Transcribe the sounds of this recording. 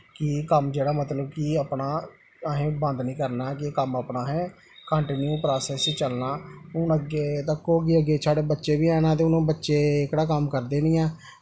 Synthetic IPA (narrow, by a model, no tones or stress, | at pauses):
kɪkəmd͡ʒeːɽaːmət̪ləb̚kiapnaː | əɦẽːbə̃nd̪nĩːkəɾnaːkɪkəməpnaːɦɛː | kəɳʈɪːnjuːpɾaːsɛːsit͡ʃəlnaːʊnəɡeːt̪əkːoːɡeːəɡːeːt͡ʃʰaːɽeːbətːʃeːbiːɛːnãːt̪̬eːʊnõːbətːʃeːɪkɽaːkəmkəɾd̪eːniːãː